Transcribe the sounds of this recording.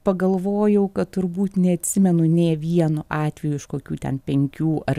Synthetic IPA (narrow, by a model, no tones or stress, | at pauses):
pɐɡɐlˠʋoːjɛʊkɐtt̪ʊɾbuːt̪nʲɛɐt̪ʲsʲɪmʲɛnʊnʲeːʋʲiɛnʊʔɑːt̪ʲʋʲɛjuːɪʃkoːkʲuːt̪ʲɛ̰npʲɛŋʲkʲuːʔɐr